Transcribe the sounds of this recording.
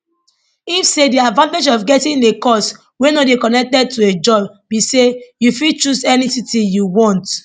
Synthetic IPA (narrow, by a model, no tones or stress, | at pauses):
ifsediadvãnted͡ʒɔvɡɛtĩnekɔs | wenodekɔnɛk̚tɛd̚tued͡ʒɔb | bisejufit͡ʃusɛnisitijuwɔ̃nt